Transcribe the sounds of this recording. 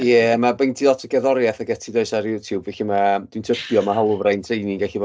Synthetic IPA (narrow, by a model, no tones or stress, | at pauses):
jɛmabejndʰiɔtʰəɡɛðɔɾjɛθəɡɛtʰidoɨsaɾjuːtʰjubvɛɬimḁwintʰəbjɔmaɦalˠʊvrajntʰrejniŋɡɛɬivɔ